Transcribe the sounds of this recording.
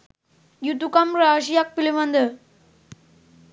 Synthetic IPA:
jut̪ukamɾaɕijak̚pilimə̃nd̪ə

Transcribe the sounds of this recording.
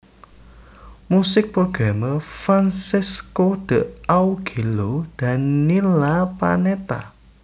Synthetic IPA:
musɪk̚pɾoɡ̥ɾaməfɾansɪskod̪̥ə̤ʔawɡ̥ilod̪̥a̤nːilapa̰net̪a̰

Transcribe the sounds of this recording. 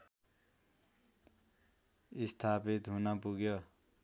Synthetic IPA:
ist̪ʰapit̪ɦunʌpuɡjo

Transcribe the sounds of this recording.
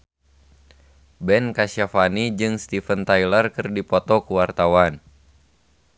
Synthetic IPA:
bɛnkasafanid͡ʒɨŋst̪ifənt̪ajlərkɨrdipɔt̪ɔkuwart̪awan

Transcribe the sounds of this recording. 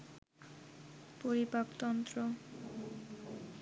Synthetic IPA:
poɾibapt̪ɔnt̪ɾo

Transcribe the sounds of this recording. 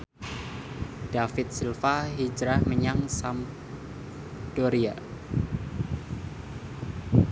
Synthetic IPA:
d̥afɪt̪̚silfaɦid͡ʒɾahməɲaŋsam | d̥oɾia

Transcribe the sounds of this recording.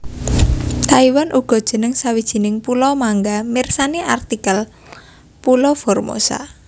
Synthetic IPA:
t̪aiwanʔuɡ̥ɔ̤d̥ʒ̥ə̤nəŋsawid̥ʒ̥i̤nɪŋpulɔmaŋɡamirsaneʔart̪ikəl | pulɔfɔrmo̰sa̰

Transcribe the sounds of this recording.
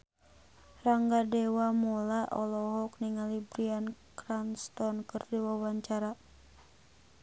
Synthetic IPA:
raŋɡadɛwamulaʔɔlɔɦɔk̚niŋalibɾiankɾanst̪ɔnkɨrdiwawaɲt͡ʃaɾa

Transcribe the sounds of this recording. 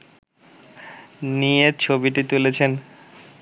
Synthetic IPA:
niet͡ɕʰobiʈit̪ulet͡ɕʰen

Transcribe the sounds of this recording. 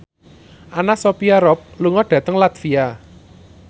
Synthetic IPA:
ʔanasopiaɾɔp̚luŋɔɖ̥ä̤t̪əŋlat̪fia

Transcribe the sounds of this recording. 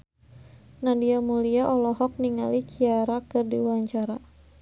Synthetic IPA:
nadiamuliaʔɔlɔɦɔk̚niŋa̰likʰiaɾakɨrdḭwaɲt͡ʃaɾa

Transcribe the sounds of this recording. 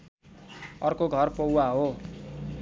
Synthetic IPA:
ʌrkoɡʱʌrpowaɦo

